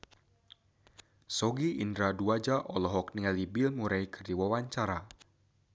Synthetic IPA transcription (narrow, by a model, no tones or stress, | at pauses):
sɔɡiʔindɾaduad͡ʒaʔɔlɔɦɔk̚niŋalibɪlmuɾajkʰɨrdiwawaɲt͡ʃaɾa